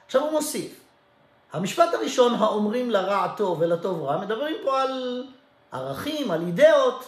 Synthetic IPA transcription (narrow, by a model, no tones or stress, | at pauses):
aχʃavumo̞sif | hamiʃpat̪haʁiʃo̞nɦaomʁimlaʁat̪o̞velato̞vʁame̞d̪abʁimpo̞al | ʔa̰ʁaχimalid̪eot̪